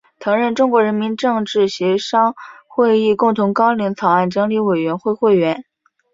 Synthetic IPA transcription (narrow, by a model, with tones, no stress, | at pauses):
t͡s̪ʰɤ˧˥ŋɻə˥˩nʈ͡ʂʊ˥ŋkwɔ˧˥ɻə˧˥nmi˧˥nʈ͡ʂɤ˥˧ŋʈ͡ʂɻ̩˥˩ɕɥɛ˧˥ʂɑ˥ŋxwe˥˧ɪi˥˧kʊ˥˩ŋt̪ʰʊ˧˥ŋkɑ˥ʊli˧˥ŋt͡sʰɑ˨˩ʊa˥˩nʈ͡ʂɤ˧˥ŋli˧˥we˨˩ɪɥɛ˧˥nxwe˥˧ɪxwe˥˩ɪɥɛ˧˥n